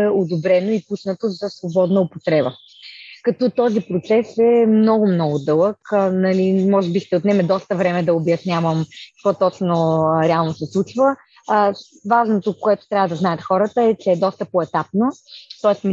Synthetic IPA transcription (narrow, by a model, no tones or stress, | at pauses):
ɛod̪obɾɛnoipusnət̪ozɐsvobɔd̪nəopot̪ɾɛbə | kɐt̪ɔt̪ɔzipɾot̪sɛsɛmnɔɡʊmnɔɡʊd̪ɤlˠəknɐlimɔʒɛbist̪ɛot̪nɛmɛd̪ɔst̪əvɾɛmɛd̪ɐobjɐsnʲavəmkɐ̥kvɔt̪ɔt͡ʃnoɾɛalˠnosɛslˠut͡ʃvə | vaʒnot̪okoɛt̪ʊ̥t̪ɾʲavəd̪ɐznajət̪xɔɾət̪əɛt͡ʃɛːd̪ɔst̪əpoɛt̪ap̚not̪ɔɛsm